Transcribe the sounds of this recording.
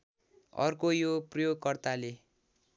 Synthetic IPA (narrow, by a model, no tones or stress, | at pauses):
ʌ̰rkojoprʌjoɡkʌrt̪ale